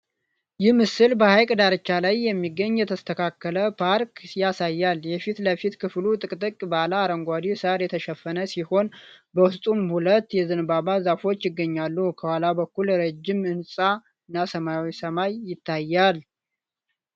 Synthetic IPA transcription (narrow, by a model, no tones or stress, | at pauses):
jɪhmɨsɨlbəhajkʼd̪aɾɨt͡ʃːalajːɛmːiɡːəɲːjɛt̪ʰəst̪ʰəkʰakːələpʰaɾkʰjasajːaljɛfit̪ləfit̪kʰɨflut̪ʼɨkʼt̪ʼɨkʼbalaːɾəŋɡʷad̪isəɾjɛt̪ʰəʃɛfːənəsiho̞nbəwʊst̪ʼunhulət̪jɛzɨnbaβazafo̞t͡ʃːjɪɡːəɲːalːukʰəwalabəkːulɾəd͡ʒːɪmɨnsʼa | ɨnːasəmawjsəmajːɪt̪ʰːajːal